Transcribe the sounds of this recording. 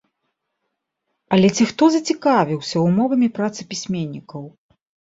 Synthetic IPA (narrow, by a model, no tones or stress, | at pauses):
ɐlʲɛt͡sʲixt̪ɔzɐt͡sʲikavʲiwsʲɐwmɔvɐmʲipɾat̪sɨpʲisʲmʲeɛnʲːikɐw